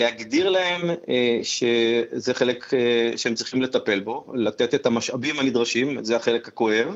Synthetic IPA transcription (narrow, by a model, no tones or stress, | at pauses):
lehaɡd̪iʁlae̞mʃezeχe̞lekʃeemt͡sʁiχimle̞t̪ape̞lbo̞lat̪e̞t̪e̞t̪hamaʃabimhanid̪ʁaʃimzeaχe̞lekhako̞he̞v